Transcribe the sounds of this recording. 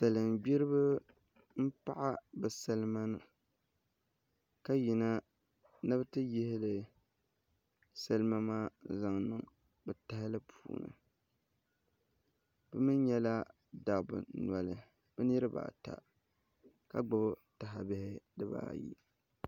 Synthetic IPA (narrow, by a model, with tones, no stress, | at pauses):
sa˨lɨ˨mbi˦ɾɨ˦bɨ˦ | m̩˦pa˦ʔa˦bɨ˨sa˦lɨ˦ma˦nɨ˨ | ka˦ji˨na˦ | nɨ˦btɨ˦jɪ˦hɪ˦lɨ˨ | sa˦lɨ˦ma˦maː˦za˨ŋnɨ˦ŋ | bɨ˨ta˦hɪ˦lɨ˦pʰuː˨nɨ̰˨ | bɨ˦mɨ˦n˦ɲɛ˦la˦ | da˨bɨ̰˨na˨lɨ˨ | b̥ɨ˦ni˦ɾɨ˦ba̰ː˨ta̰˨ | ka˨ɡ͡bʊ˦bta˨ɦa˨bɪ˦hɪ˦dɨ˦ba̰ː˨jḭ˦